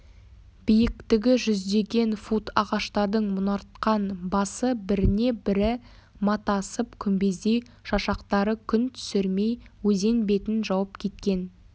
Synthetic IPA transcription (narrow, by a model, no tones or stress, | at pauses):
b̥ijɪkt̪ɪɡʲɪʒʏzd̪e̞ɡʲe̞nfut̪ʰɑʁɑʃt̪ɑɾd̪əɴmʊnɑɾt̪̚qɑnbɑsəbɪɾɪne̞bɪɾɪ | mɑt̪ɑsəpkʲʰʏmbe̞zd̪e̞j | ʃɑʃɑqt̪ɑɾəkʲʰʏnt̪ʰʏ̥sɪɾme̞jwɵze̞nbe̞t̪ɪnʒɑwəp̚kʲʰe̞t̪̚kʲe̞n